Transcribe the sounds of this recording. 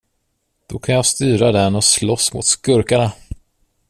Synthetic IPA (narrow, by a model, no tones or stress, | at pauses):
d̪̥ɔkʰanjaːst̪yːɾad̪ɛnɔslɔsmʊ̰t̪skɵɾkaɳa